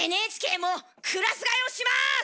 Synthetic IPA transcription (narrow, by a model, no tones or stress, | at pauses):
enɯeːt͡ɕi̥kʲe̞ːmo | kʰɯɾasɨɡaioɕima